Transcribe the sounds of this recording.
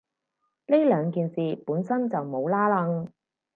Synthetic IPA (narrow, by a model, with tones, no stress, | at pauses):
le˥lœː˨˧ŋkiː˨nsiː˨puː˨˥nsɐ˥nt͡sɐ˨wmo˨˧wlaː˥lɐ˧ŋ